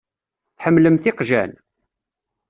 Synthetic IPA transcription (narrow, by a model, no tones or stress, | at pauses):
θħəmːləmθɪqʒæ̰n